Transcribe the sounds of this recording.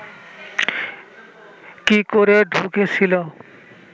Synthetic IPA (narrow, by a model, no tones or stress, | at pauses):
kikoɾeɖʱuket͡ɕʰilo